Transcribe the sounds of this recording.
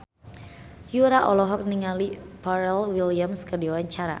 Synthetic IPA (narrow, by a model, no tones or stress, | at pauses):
juɾaʔɔlɔɦɔk̚niŋalipaɾɛlwiliamskərdiuwaɲt͡ʃaɾa̰